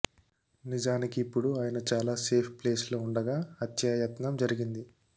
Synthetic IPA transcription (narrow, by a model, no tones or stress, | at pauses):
nid͡ʒaːnikiːpːuɽuaːjɐnɐt͡ʃaːlaːse̞ːpʰple̞ːslo̞ːuɳɖɐɡaːɐt̪jaːjɐt̪nɐmd͡ʒɐɾiɡind̪i